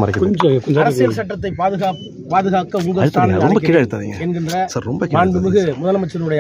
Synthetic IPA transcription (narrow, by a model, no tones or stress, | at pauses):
mɐɾɐɪkːɐkɔɲd͡ʒɐ̃kɔɲd͡ʒɐɾɐsɪjɐsɐʈːɐt̪̬ːɐɪpaːðɯɣaːk | paːðɯɣaːkːɐʊŋɡɐɐɻɯt̪ːaːlɐɾɔmbɐkːiːɽɐɻɯt̪ːaːðḭŋɡɐɛnɡɪndrɐsɐɾɾɔmbɐkːaːɳbɯmɯɣɯmʊðɐlɐmɐt͡ʃːɐnɯɽɐjɐ